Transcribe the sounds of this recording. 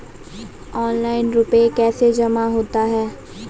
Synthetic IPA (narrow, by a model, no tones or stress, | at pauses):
ɔːnlaːɪnɾʊpekɛːsed͡ʒɐmaɦoːt̪aɦɛː